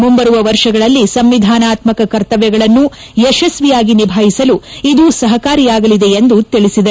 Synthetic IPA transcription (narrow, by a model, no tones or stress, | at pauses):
mumbɐɾuʋɐʋɐɾʂɐɡɐɭɐlːisɐmʋid̪ʱaːnaːt̪mɐkɐkɐɾt̪ɐʋjɛɡɐɭɐnːu | ɛʃɐsʋijaːɡinibʱaːjisɐluid̪usɐɦɐkaːɾijaːɡɐlid̪e̞end̪ut̪iɭisid̪ɐ